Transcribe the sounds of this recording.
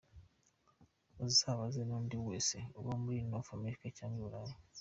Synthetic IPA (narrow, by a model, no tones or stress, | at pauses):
ezisaβazenondiweseoβomulinofamiɾikecaːɲɟuulajo